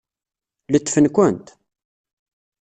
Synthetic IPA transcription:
lət͡s̪ːfənkʷʊnt̪

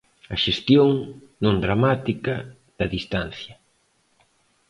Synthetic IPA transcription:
ɐʃest̪joŋnõŋd̪ɾamat̪ikɐ | ð̥ɐðist̪an̟θjɐ

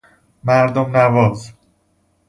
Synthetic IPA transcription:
mæɾd̪omnævɒːz

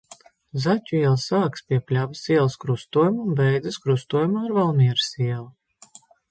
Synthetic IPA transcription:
zatʲuiɛlˠsaːkspʲiɛpʲlʲavisiɛlˠskɾust̪uɔjumunbɛjd̪zɨskɾust̪uɔjumaːɾvalˠmʲiɛɾɨsiɛlˠu

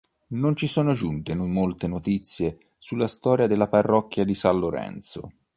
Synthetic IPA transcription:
nont͡ʃisɔːnod͡ʒunt̪enumolt̪enot̪it̪sːje | sulːast̪ɔːɾjad̪elːaparːɔkːjad̪isanloɾɛ̰nt̪so̰

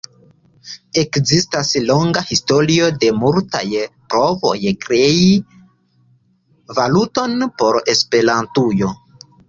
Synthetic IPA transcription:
e̞kzistaslo̞ŋɡahisto̞ɾio̞de̞multa̰jpɾo̞vo̞̰jkɾe̞i | valuto̞npo̞ɾe̞spe̞ɾantujo̞

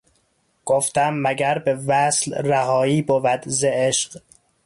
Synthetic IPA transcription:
ɡ̥oft̪æmːæɡæɾbevæslɾæhɒːiːbovæd̪zeeʃq

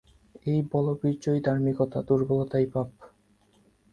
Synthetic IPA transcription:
ejbɔlobiɾd͡ʑojd̪ʱaɾmikɔt̪ad̪uɾbolot̪ajpab

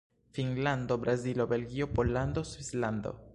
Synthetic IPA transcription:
finland̪o̞bɾazilo̞be̞lɡio̞po̞lːand̪o̞swisland̪o̞̰

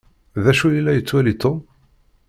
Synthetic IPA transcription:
ðæʃujilːæjət͡sːwælit̪ːo

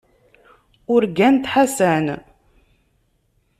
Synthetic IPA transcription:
ʊɾɡænt̪ħasæn

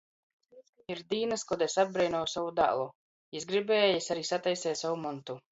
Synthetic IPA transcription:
iɾd̪iːnaskɔd̪ɛsab̚bɾɛjnɔːwsavud̪a̰ːlˠu | jisɡɾibeːjisaɾiːsat̪ajsɛːt̪sawumɔnt̪u

